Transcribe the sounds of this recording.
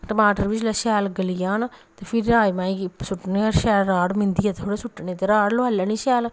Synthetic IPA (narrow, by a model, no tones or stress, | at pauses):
ʈəmaːʈəɾʋɪd͡ʒlaːʃɛːlɡəlijaːnt̪eːpʰɪɾaːimãːisʊʈːneəɾʃɛːlɾaːɽmɪ̃nd̪iːaːt̪et̪ʰoːɽeːsʊʈːnẽːt̪eːɾaːɽloaːlːaːniːʃɛːl